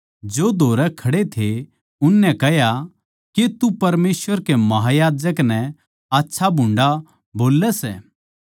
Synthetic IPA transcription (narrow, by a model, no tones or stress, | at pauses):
d͡ʒoːd̪ʱoːɾɛkʰɐɽet̪ʰe | ʊnːɛ̃kɛɦja | ket̪upɐɾmeːsʋəɾkemɐɦajaːd͡ʒəknɛ̃ | aːtːʃʰabʱʊ̃ɳɖa | boːlːɛsɛ̰ː